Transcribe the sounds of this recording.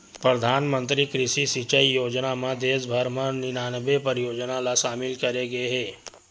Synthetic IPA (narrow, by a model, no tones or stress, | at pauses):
pɾəd̪ʱaːnmənt̪ɾikɾɪʃisit͡ʃəijoːd͡ʒnamãd̪eːsbʱəɾmãnɪnaːnəbepəɾjoːd͡ʒnalaʃaːmɪlkɐɾeɡeɦe